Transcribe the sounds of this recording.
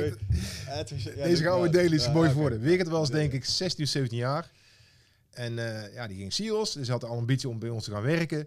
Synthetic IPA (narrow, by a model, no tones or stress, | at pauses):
dejzəɣaːmədejəlisəmojvɔɹdəʋɪkətʋɛlˠs̬dɛŋkɪksɛstinːsejvəntinjaːr | ɛnjadiɣɪŋsiɔsdəsɦɑtəɑlˠɑmbitsjiɔmbɛjɔnstəɣaːnʋɛrkə